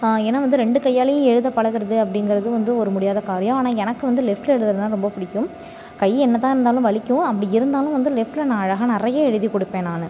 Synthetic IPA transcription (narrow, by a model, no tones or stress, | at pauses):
ɛnːaːʋɐnd̪ɯɾɛɳɖɯkɐjːaːlɐjʊ̃ɛɻɯðɐpɐɭɐɣɯɾɐðɯɐpːɐɽɪŋɡɐɾɐðɯʋɐnd̪ɯɔɾɯmʊɽɪjaːðɐkaːɾɪjɐ̃aːnaːɛnɐkːɯʋɐnd̪ɯlɛfʈlɛɻɯðɐðnãːɾɔmbɐpɪɽɪkːɯm | kɐjɛnːɐt̪̬ːãːɪɾɯnd̪aːlɯ̃ʋɐɭɪkʲːʊ̃ɐpːɐɽɪɪɾɯnd̪aːlɯ̃ʋɐnd̪ɯlɛfʈɪlɐnaːɻɐɣɐnɪrɐjɐɛɻɯðikɔɽɯpːẽːnaːnɯ